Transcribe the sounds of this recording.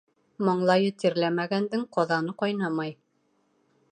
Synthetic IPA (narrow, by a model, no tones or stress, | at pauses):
mɑɴlˠɑjɤt̪ĭɾlæmæɡænd̪ɘŋqɒðɑnɤqɒjnɑmɑj